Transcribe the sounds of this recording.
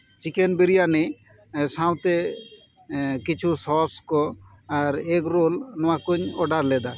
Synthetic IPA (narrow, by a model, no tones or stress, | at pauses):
t͡ʃikenbiɾijane | saw̃t̪e | kit͡ʃʰusɔskɔ | aɾekɾolnɔãkuɲɔɖaɾlɛd̪a